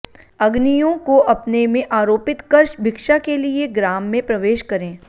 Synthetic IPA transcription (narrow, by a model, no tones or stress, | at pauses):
ɐɡnijõkoʔɐpnemẽʔaːɾoːpɪt̪kɐɾʃbʱɪkʃakelieɡɾaːmːẽpɾɐʋeːʃkɐɾẽː